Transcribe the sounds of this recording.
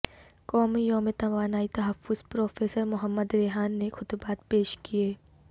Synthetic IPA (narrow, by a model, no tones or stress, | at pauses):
kɔːmijoːmet̪ɐʋaːnaːit̪ɐɦəfːʊz̥pɾɔːfeːsəɾmʊɦəmːəd̪ɾeːɦaːnːexʰʊd̪baːt̪peːʃkieː